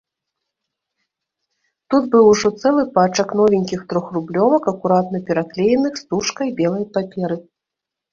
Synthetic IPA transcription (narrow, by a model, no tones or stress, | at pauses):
t̪ud̪bɨwʐɔt̪sɛlˠɨpat͡ʂɐknɔvʲinʲkʲixt̪ɾɔxrublʲɔvɐkɐkuɾat̪nɐpʲɛɾaklʲejɛnɨxst̪uʂkɐjbʲɛlˠɐjpapʲɛɾɨ